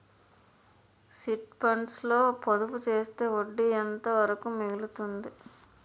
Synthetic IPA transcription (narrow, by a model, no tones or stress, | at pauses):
siʈpɐɳʈslo̞ːpod̪uput͡ʃeːst̪e̞ːoɖːiɛnt̪ɐʋɐɾɐkumeɡilut̪und̪i